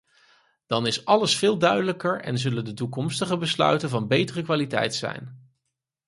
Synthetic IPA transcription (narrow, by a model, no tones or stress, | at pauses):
d̥ɑnɪsɑləsfɪːlˠdœɥdələkəɹɛ̰nzɵləndətukɔmstəχəbəslœ̰ɥtənvɑnbejtərəkʋaːlitɛ̰jtsɛ̰jn